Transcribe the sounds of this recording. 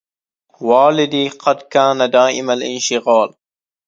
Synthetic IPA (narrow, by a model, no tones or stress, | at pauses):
waːlɪd̪iːqɑd̪kaːnad̪aːʔɪmalʔɪ̰nʃɪɣaːl